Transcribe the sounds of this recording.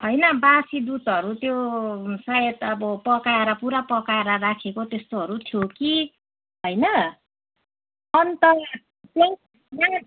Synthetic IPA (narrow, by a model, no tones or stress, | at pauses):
ɦʌjnʌbasid̪ut̪ʌɾut̪josajet̪ʌbʌpʌkaeɾʌpuɾapʌkaeɾʌɾakʰekot̪est̪oɦʌɾut̪ʰijoki | ɦʌjnʌ | ʌnt̪ʌ | t̪ʌ | a